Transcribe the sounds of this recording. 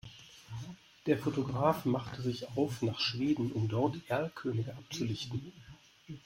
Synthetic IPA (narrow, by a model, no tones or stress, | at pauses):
d̥eːɐfotoɡʁaːfmaχtʰəzɪçaʊfnaːχʃv̥eːdn̩ʔʊmdɔɐtʔɛɐlkʰøːnɪɡəʔap̚t͡sulɪçtn̩